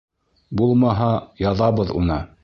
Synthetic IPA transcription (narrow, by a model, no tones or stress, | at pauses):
bulˠmɑɦɑjɑðɑβɤðṵnɤ